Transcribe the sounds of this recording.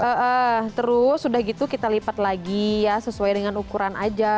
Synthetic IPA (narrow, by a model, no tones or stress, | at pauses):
ʔəʔət̪əɾʊsːudahɡit̪ukit̪alipat̪̚laɡijasəsuajdəŋanukuɾanad͡ʒa